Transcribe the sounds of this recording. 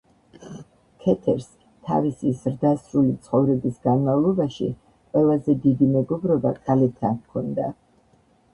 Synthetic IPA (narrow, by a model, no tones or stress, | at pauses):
kʰɛt̪ʰɛɾs | t̪ʰa̰visizɾd̪asɾulit̪sʰχɔvɾɛbisɡanmavlˠɔbaʃḭ | qʼwɛlˠazɛd̪id̪imɛɡɔbɾɔbakʼalɛt̪ʰakʰɔnd̪a